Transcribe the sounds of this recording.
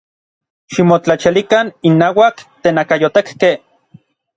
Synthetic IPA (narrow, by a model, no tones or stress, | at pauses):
ʃimot͡ɬat͡ʃilikaninːaːwakt̪eːnakajot̪ekke